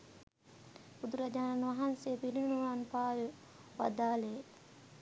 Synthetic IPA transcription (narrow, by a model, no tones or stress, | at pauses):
bud̪uɾad͡ʒaːnanʋaɦanseːpiɾinnuɭanpaːju | ʋa̰d̪aːle